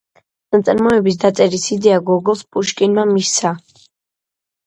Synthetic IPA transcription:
nat̪sʼɾmɔɛbis̬d̪at̪sʼɛɾisid̪ɛaɡɔɡɔlˠspʼuʃkʼinmamisa

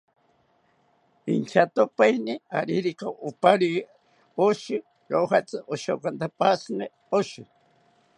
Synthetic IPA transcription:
int͡ʃʰat̪opainiaɾiɾikaʔʊpaɾi | oʃi | johat͡sɨʔoʃo̰kant̪apasɨne | oʃi

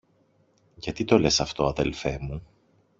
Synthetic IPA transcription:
ʝɐt̪it̪o̞le̞sɐft̪o̞ɐðe̞̰lfe̞mu

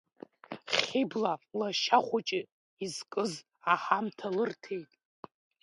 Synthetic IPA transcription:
χʲiblalaʃaχʷat͡ʃʼɪ | izkʼɨz | aħamtʰalɨrtʰe̞jtʼ

